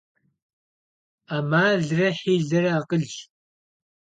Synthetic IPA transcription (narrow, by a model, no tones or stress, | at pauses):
amaːɮrɐħiːɮɐɾɐaːqəɮ